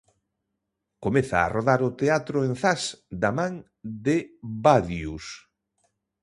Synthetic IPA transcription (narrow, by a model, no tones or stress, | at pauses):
komeθa̰ːroðaɾʊt̪eat̪ɾʊẽnθasd̪amãŋ | d̪ɪbaðjus